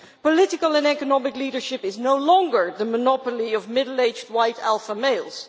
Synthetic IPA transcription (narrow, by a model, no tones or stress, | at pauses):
pəlɪtɪkəlˠə̃nɛkənɑmɪkliːɾə˞ʃɪpɪznoʊlɔ̃ŋɡə˞ðəmənɑpəliʌvmɪdl̩ˠeɪd͡ʒd̚waɪtælˠfəmeɪlˠz̥